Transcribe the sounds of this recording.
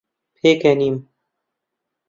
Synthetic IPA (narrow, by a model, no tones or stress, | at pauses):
pʰeːkeniːm